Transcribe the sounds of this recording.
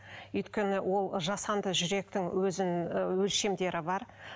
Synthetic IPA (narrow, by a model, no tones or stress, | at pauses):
ʏjt̪kʲe̞nɪwʔo̞lˠʒɑsɑnd̪əʒʏɾe̞k̚t̪ɪŋwɵzɪnwɵlʃe̞md̪e̞ɾɪbɑɾ